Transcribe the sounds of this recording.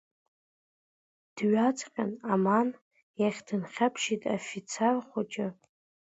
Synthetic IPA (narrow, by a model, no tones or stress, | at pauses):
d̥ɥat͡sʰʼqʲʼanaman | jaχʲdɨnχʲapʰʃitʼafit͡sʰerχʷot͡ʃʼɪ